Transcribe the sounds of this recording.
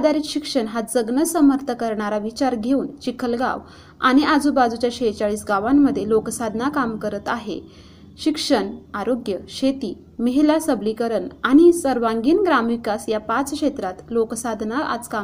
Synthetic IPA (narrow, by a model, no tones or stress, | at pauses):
ad̪ʱaɾiːk̪ɕikʂəɳɦad͡zəɡnəsəməɾt̪ʰəkəɾɳaɾaʋit͡ɕaɾɡʱeuːnt͡ɕikʰəlɡa̰ʋ | a̰ɽ̃iad͡zuːbad͡zut͡ɕjaɕet͡saɭiːsɡaʋamːəd̪ʱːjeloksad̪ʱnakamkəɾət̪aɦḛ | ɕikʂəɳaɾoɡjəɕet̪iː | məɦilasəblikəɾəɳaɽ̃isəɾʋãŋɡiːnɡɾamʋikasjapat͡skʂet̪ɾat̪loksad̪ʱnaʔa̰t͡ska